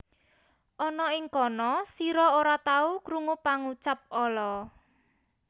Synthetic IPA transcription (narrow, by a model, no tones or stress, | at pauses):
ʔɔnɔɪŋkɔnɔsiɾɔoɾat̪aukɾuŋupaŋut͡ʃap̚ɔlɔ